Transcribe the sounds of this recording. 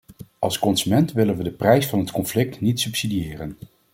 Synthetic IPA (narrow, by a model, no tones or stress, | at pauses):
ʔɑlˠskɔnz̥ymɛntʋɪlənʋədəprɛjsfɑnɦətkɔnflɪk̚tnitsɵpsidiɪːrən